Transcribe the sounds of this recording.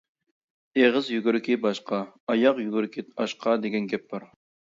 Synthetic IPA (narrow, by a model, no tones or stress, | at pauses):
eʁɨzjyɡʲyɾɪkʲʰibɑʃqɑɑjɑqjyɡʲyɾkʲʰiɑʃqʰɑd̪eɡʲɛnɡʲɛp̚d̪ɑɾ